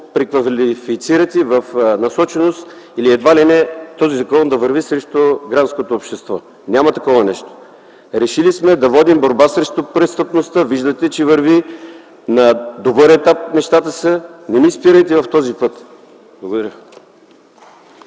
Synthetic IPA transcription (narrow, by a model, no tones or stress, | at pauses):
pɾikvɐlifit̪siɾət̪ʲivɐfnɐsɔt͡ʃɛnost̪iliɛd̪valinɛt̪ɔzizɐkɔnd̪ɐvɐɾvisɾɛʃt̪oɡɾantskot̪oːpʃt̪ɛst̪vɔ | nʲamɐt̪ɐkɔvɐnɛʃt̪o̥ | ɾɛʃilismɛd̪ɐvɔd̪imboɾbasɾɛʃt̪opɾɛst̪əpnost̪əviʒd̪ət̪ɛt͡ʃɛvɐɾvi | nɐd̪obəɾɛt̪ap̚nɛʃt̪at̪əsənɛmiːspiɾəjt̪ɛvɐft̪ɔzipɤt̪ | blˠɐɡod̪ɐɾʲə